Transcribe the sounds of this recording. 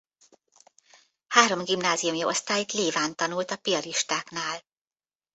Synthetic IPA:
haːɾo̞mɡimnaːzijumjio̞̰st̪aːjit̪leːvaːnt̪ɒnult̪ɒpiɒliʃt̪aːknaːl

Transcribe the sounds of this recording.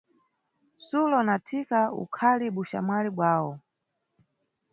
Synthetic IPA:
sulɔnatʰikaṵkʰaliɓuʃa̰mwaliɓwaːwɔ

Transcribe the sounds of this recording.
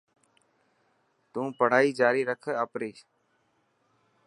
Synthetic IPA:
t̪ũːpəɽ̤aːiːd͡ʒaːɾiːɾəkʰəaːpɾiː

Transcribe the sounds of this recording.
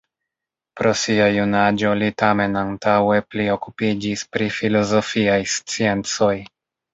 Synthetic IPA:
pɾo̞siajunad͡ʒo̞litame̞nantawe̞plio̞kupid͡ʒispɾifilo̞zo̞fiajst͡sie̞nt͡so̞j

